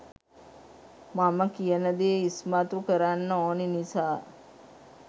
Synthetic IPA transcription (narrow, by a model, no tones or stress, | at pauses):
maməkijənəd̪eːismat̪ukəɾanːəoninisaː